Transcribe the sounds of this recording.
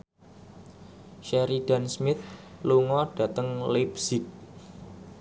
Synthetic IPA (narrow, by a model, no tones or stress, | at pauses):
ʃɛɾiɖ̥a̤nsmɪt̪luŋɔɖ̥ä̤t̪əŋlepsɪk̚